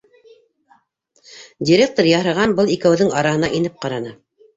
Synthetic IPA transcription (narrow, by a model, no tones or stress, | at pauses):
dʲɪɾʲek̚t̪oɾjɑhɤ̆ʁɑnbɤlˠikæwðɘŋɑɾɑhɤ̆nɑʔinɘp̚qɑɾɑnɤ